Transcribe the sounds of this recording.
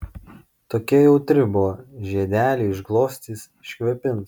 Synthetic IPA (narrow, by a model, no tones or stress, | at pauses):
t̪oːkʲiɛjɛʊt̪ʲɾʲɪbʊɔʒʲiɛd̪ʲæːlʲeɪʒɡlˠoːsʲt̪ʲiːs | ʃʲkʲʋʲɛpʲɪns